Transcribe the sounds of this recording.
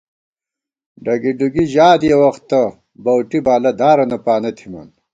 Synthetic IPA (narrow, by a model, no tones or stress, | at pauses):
ɖɐɡiɖuɡiʑaːd̪jɐwɐxt̪ːɐ | bɐwʈibaːlɐd̪aːɾɐnɐpaːnɐt̪ʰimɐ̰n